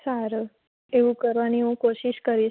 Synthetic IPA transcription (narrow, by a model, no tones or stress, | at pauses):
saɾ | eʋũkəɾʋaniɦũkoʃiʃkəɾi